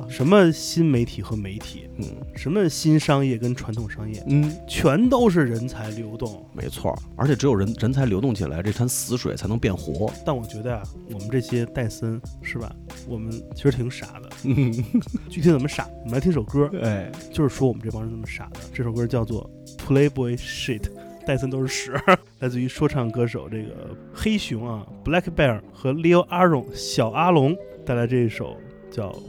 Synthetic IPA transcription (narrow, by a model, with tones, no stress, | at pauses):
ʂə˧˥nmə˧ɕi˥nme˧˥ɪt̪ʰi˨˩xɤ˧˥me˧˥ɪt̪ʰḭ˨˩˦ʂə˧˥nmə˧ɕi˥nʂɑ˥ŋjɛ˥˩kə˥nʈ͡ʂʰwa˧˥nt̪ʰʊ˨˩ŋʂɑ˥ŋjɛ̰˥˩˥t͡ɕʰɥɛ˧˥nt̪o˥ʊʂ̬ɻ̩˥˩ɻə˧˥nt͡sʰa˧˥ɪljo˧˥ʊt̪ʊ˥˩ŋmʔḛ˧˥ɪt͡sʰwɔ̰˥˩ə˞˧˥t͡ɕʰɛ˨˩ʈ͡ʂɻjo˨˩ʊɻə˧˥nɻə˧˥nt͡sʰa˧˥ɪljo˧˥ʊt̪ʊ˥˩ŋt͡ɕʰḭ˨˩la˧˥ɪʈ͡ʂe˥˩t̪ʰa˥nsɹ̩˧˥ʂwḛ˨˩ɪt͡sʰa˧˥ɪn˧˥pjɛ˥˩nxwɔ̰˧˥t̪a˥˩nwɔ˨˩t͡ɕɥɛ˧˥d̪ə˧ja˩wɔ˨˩mə˦nʈ͡ʂɤ˥˩ɕjɛ˥t̪a˥˩ɪsə˥nʂɻ̩˥˩bɐ̰˩ | wɔ˨˩mə˦nt͡ɕʰi˧˥ʂɻ̩˧˥t̪ʰi˧˥ŋʂa̰˨˩˦d̪ə˦ | t͡ɕy˥˩i˧˥t͡sə˨˩mə˦ʂa̰˨˩˦wwm̩ənlt̪ʰi˥ʂo˨˩ʊkə˥˧˩t͡ɕjo˥˧ʊʂɻ̩˥˧ʂwɔ˥wɔ˨˩m˦nʈ͡ʂfɑ˥ʂ̩˥nt͡sə˨˩mə˦ʂa̰˨˩d̪ə̰˦ʈ͡ʂɤ˥˩ʂo˨˩ʊkɜ˥t͡ɕjɑ˥˧ʊt͡swɔ̰˥˩ | pʰu˧˥le˥ɪpu˧˩e˥ɪʂi˥˩t̪ʰ | t̪a˥˩ɪs̬ə˥nt̪o˥ʊʂɻ̩˥˩ʂɻ̩˧˥la˧˥ɪt͡sɹ̩˥˧y˧˥ʂwɔ˥ʈ͡ʂʰɑ˥˩ŋkɤ˥ʂ̬o˨˩ʊʈ͡ʂɤ˥˩ɡə̰˩ | xe˥ɪɕʊ˧˥ŋa˧pla˥kʰpɛ˥˩ə˨˩xɤ˧˥li˥o˥ʊʔa˥ɻʊ˥˩ŋɕjɑ˨˩ʊa˥lʊ˧˥ŋt̪a˥˧ɪt͡ɕa˥ʈ͡ʂɤ˥˧˩i˥˩ʂo̰˨˩ʊ | t͡ɕjɑ˥˩ʊ